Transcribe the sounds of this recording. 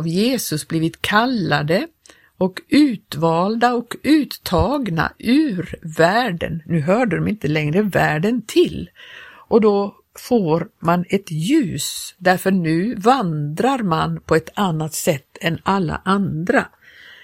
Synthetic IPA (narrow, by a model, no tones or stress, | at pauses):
vjeːsɵsbliːvɪt̪kʰalːad̪ə | ɔkʉ̟ːt̪vɑːld̪aɔkʉ̟ːt̪ʰːɑːɡna̰ʔʉːɾvæːɖə̰nːʉ̟ːɦœːɖəd̪ɔmɪnt̪əlɛŋɾəvæːɖənt̪ʰɪlʔɔd̪ɔ | foːɾmanɛt̪jʉ̟ːsd̪æɾfœɳʉ̟ːvand̪ɾaɾmanpʰɔɛt̪anːat̪sɛt̪ʰːɛnalːa̰ʔand̪ɾa